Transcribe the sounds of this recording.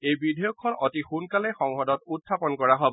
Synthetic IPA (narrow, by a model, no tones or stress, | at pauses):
ejbidʱɛjɔkʰːɔnɔtixunkalɛxɔŋxɔdɔtutʰːapɔnkɔɹaɦobɔ